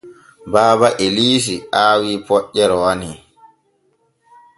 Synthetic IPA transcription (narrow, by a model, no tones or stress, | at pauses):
baːbaʔeliːs̬iʔaːwiːpɔʔːɛɾɔwani